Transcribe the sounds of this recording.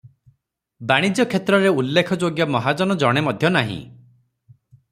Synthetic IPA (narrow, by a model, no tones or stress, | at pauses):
baɽ̃id͡ʒjɔkʰet̪ɾɔɾeulːekʰɔd͡ʒoɡjɔmɔɦad͡ʒɔnɔd͡ʒɔɽ̃emɔd̪ʱjɔnaɦḭ̃